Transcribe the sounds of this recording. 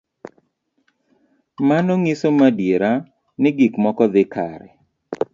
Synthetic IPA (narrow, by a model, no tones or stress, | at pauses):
manɔŋisomadjeɾa | nɪɡikmɔkɔd̪ɪkaɾɛ